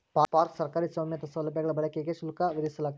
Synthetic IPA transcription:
papaːɾksɐɾkaːɾisʋaːmjɐt̪ɐsɐʋlɐbjɐɡɐɭɐbɐɭɐkijeɡeʃulkaʋid̪isɐlaːɡ̚t̪

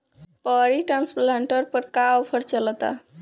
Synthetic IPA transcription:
pəɾiʈɾansplaɳʈəɾpəɾkawpʰəɾt͡ʃələt̪a̰

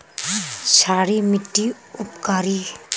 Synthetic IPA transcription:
t͡ʃʰaːɾimɪʈːi | ʊpkaːɾi

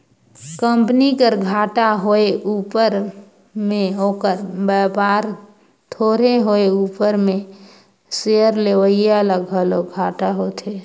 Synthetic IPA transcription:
kəmpnikəɾɡʱaːʈaɦoeʔuːpəɾ | mẽɦokəɾbəpaːɾ | t̪ʰoːɾeɦoeuːpəɾmẽ | sejəɾleʋəɪjaləɡʱɦəloɡʱaːʈaɦot̪ʰe

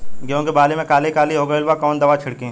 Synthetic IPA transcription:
kjõːkibaːlemẽkaːlikaːliɦoːɡɐɪlʋakɔːnd̪ɐʋat͡ʃʰɪɽkẽː

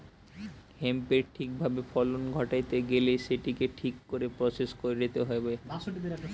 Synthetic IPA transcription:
hempeɾʈʰik̚bʱabefʰɔlonɡʱɔʈajt̪eɡelejʃeʈikeʈʰikːoɾepɾɔseskoɾeɾet̪eɦɔjbeasoʈid̪eɾ

